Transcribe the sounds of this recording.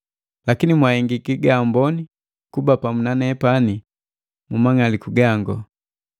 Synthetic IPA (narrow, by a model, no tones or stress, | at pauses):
lakinimwahɛŋɡikiɡaːmbɔni | kubapamunanɛpani | mumaŋalikuɡaŋɡɔ